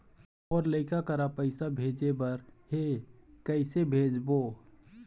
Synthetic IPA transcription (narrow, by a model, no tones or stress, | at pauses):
ɔːɾləɪkakəɾapəɪsabʱed͡ʒebəɾhekəɪsebʱed͡ʒbo